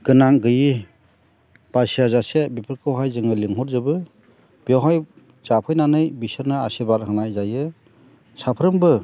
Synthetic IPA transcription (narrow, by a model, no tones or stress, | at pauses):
ɡ̥ɯnaŋɡɯji | b̥asijazasebipʰɯɾkʰɯwɦajzɯŋɯliŋɦɔɾzɯbɯ | b̥iɔwɦaj | zapʰɯjnanɯjbisɯɾnɯa̰sibaɾhɯŋnajzajɯ | sapʰɾɯmbɯ